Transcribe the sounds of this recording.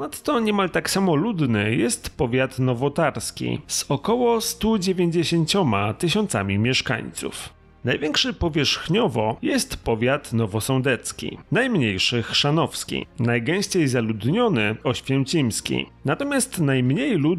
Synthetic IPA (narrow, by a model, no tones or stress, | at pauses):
pɔnat̪ːɔɲɛmalt̪aksamɔlud̪nɘjɛst̪pɔvʲjat̪nɔvɔt̪aɾskʲḭzɔkɔwɔst̪ud͡ʑevʲjeɲd͡ʑeɕeɲt͡ɕɔmat̪ɘɕɔnt̪sa̰mʲimʲjɛʂka̰ɲt̪sṵf | najvʲjɛŋkʂɛpɔvʲjɛʂxɲɔvɔjɛst̪pɔvʲjat̪nɔvɔsɔ̃nd̪ɛt̪skʲḭnajmɲejʂɘxʂanɔfskʲḭnajɡɛ̃w̃ɕt͡ɕejzalud̪ɲɔnɘɔɕfʲjɛwt͡ɕimskʲḭnat̪ɔmʲjast̪najmɲejlu